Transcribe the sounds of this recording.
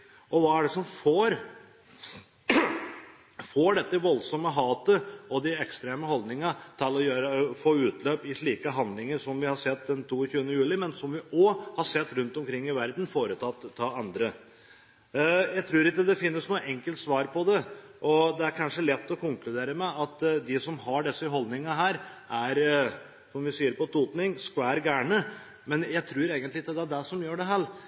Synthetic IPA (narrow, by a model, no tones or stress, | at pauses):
ʔɔʋɑːæɖɛsɔmfoːɾ | foːɖɛt̪ːəʋɔlsɔmːəɦɑːt̪əʔɔd̪ɪɛkst̪ɾeːməhɔld̪nɪŋət̪ʰɪlɔjøːɾəfoːʉːt̪ʰløːpɪʂɭiːkəɦɑnd̪lɪŋəɾʂɔmʋɪhɑɾʂɛt̪ːd̪ɛnt̪ʰuːçʉːənəjʉːlɪmɛnsɔmʋɪɔhɑɾʂɛt̪ːɾʉnt̪ɔmkʰɾɪŋːɪʋæɾd̪n̩foːɾət̪ʰɑt̪ʰːɑɑnd̪ɾə | jæɪt̪ʰɾʉːɾɪkːəd̪ɛfɪnːəsnuːəʔɛŋkəlt̪sʋɑːɾpʰɔd̪ɛʔɔd̪ɛæɾkʰɑnʂəlɛt̪ːɔkʰʊŋklʉd̪eːɾəmɛʔɑt̪d̪ɪsɔmɦɑɖɛsːəɦɔld̪nɪŋəɦæːɾʔæɾ | sɔmʋɪsiːəɾpɔt̪ʰuːt̪nɪŋskʋæːɾɡæːɳə | mɛnjæɪt̪ʰɾʉːɾeːɡənt̪lɪɪkːəd̪ɛæɖɛʂɔmjøːɖɛɦæːɭ